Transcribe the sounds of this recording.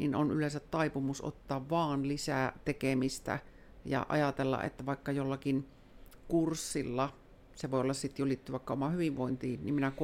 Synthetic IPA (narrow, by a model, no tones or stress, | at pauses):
nḭnonʔylensæt̪tɑipumusʔo̰t̪ːɑːʋʋɑːnlisæt̪ekemist̪æ̰ | jɑ̰ʔɑ̰jɑt̪elːɑ̰ʔḛt̪ːæʋɑˑikːɑjolːɑkin | kursːilːɑ | seʋoˑiolːɑssit̪julit̪ːiʋɑˑikːɑomɑhyʋiʋʋoint̪iːnḭmminæk